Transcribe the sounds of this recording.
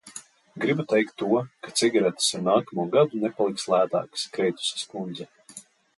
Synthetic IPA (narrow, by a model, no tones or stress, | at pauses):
ɡɾibut̪ɛjk̚t̪ːuɔkat̪siɡaɾɛt̪ḁsuɾnaːkamuɔɡad̪unɛpalˠikslˠæːt̪a̰ːkskɾɛjt̪u̥si̥skund̪zɛ